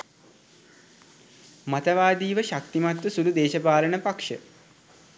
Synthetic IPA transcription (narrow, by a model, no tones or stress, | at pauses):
mat̪əʋaːd̪iːʋəʃak̚t̪imat̪ʋəsulud̪eːʃəpaːlənəpakʂə